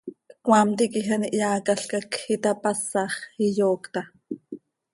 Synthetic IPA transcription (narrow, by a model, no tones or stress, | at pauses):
kwaːmt̪ikixaniʔjaːkaɬkɑkxit̪ɑpasɑχijoːkt̪ɑ